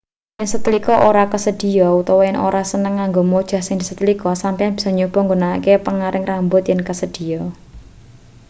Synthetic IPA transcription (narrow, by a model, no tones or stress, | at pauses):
jɪnsət̪ilikɔʔoɾakəsəd̪̥i̤ɔut̪ɔwɔjɪnʔo̰ɾasənəŋːaŋɡomod̥ʒ̥a̤hsɪŋd̪isət̪əlikɔsampianb̥i̥sɔɲob̥ɔ̤ŋɡonakepəŋaɾɪŋrambʊt̪jɪnkəsəd̪̥i̤ɔ